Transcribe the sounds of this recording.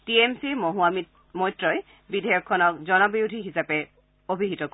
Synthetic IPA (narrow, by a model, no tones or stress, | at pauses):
tiemsimoɦuami | mɔjtɹɔj | bidʱɛjɔkʰːɔnɔk̚zɔnɔbiudʱiɦisapɛ | obʱiɦitɔk